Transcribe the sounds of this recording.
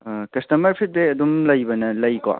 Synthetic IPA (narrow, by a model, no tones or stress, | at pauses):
kɐstɐmɐɾpʰit̚beɐdumlɐjbɐnɐlɐjkɔ̰